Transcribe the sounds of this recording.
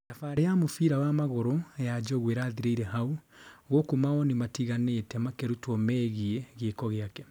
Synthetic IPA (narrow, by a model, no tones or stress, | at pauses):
dafaɾejamofiɾawamaɣoɾojad͡ʒɔɣweɾaðiɾeiɾɛɦauɣokumaɔnimatiɣanetɛmakeɾutwɔmɛɣiɛɣeːkɔɣeakɛ